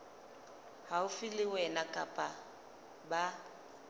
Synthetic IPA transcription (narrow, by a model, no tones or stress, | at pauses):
haʊfɪlɪwɛnakʼapʼa | ba